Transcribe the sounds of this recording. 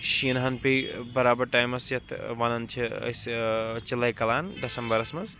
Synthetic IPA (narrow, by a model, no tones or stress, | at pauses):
ʃinɦɐnpejbɐɾaːbɐɾʈaːjmɐsjɐt̪ʰʋɐnɐnt͡ʃʰiɐ̰st͡ʃilɐjkɐlaːnd̪ɐsɐmbɐɾɐsmɐz